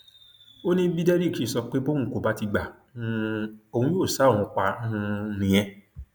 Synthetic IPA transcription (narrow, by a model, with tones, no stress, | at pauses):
o˦nĩ˦bi˦dɛ˦ɾi˦˨ki˨˦˨sɔ˧k͡pe˦bõ˦ũ˦˨ko˨ba˦ti˧ɡ͡ba˨ | ũ˦˧o˧˨hũ˧˦jo˦˨sa˨˦õ˨ɔ̃˧k͡pa˧˦ũ˧˦nĩ˧j̃ɛ̃˧